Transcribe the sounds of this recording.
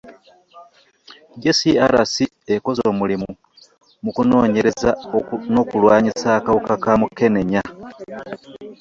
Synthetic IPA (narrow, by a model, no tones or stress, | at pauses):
ɟesiaɾasi | eko̞zoːmulimu | mukuno̞ːɲeɾe̞zano̞ːkulwaːɲisaːkawukakamukːe̞ne̞ɲa